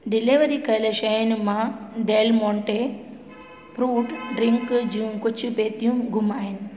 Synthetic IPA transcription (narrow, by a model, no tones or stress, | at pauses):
ɖiliʋɐɾikɐlɐʃɐjnmaɖelmoɳʈe | pɾuːʈɖɾiŋkd͡ʒumkot͡ʃːupeːt̪jumɡumːaːjn